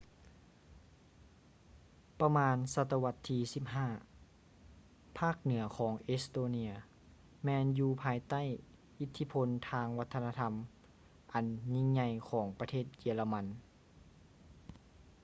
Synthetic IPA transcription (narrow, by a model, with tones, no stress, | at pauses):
pa˧maː˧nsa˧t̪ːa˧wa˧˥t̪ʰːiː˧si˧˥˩p̚ɦaː˧˥˩ | pʰaː˥˩k̚nɯ˩˦ɐkʰɔː˩˦ŋʔe˦st̪oː˧ni˧ɐ | mɛː˧njuː˧pʰaː˧jt̪a˥˩˨j | ʔi˧˥t̪ʰːi˧˥pʰo˧nt̪ʰaː˧ŋwa˦t̪ʰːna˧t̪ʰa˧m | ʔa˨nɲi˧ŋɲa˧jkʰɔː˩˦ŋpa˧t̪ʰeː˥˩t̪̚jiː˧la˧ma˧n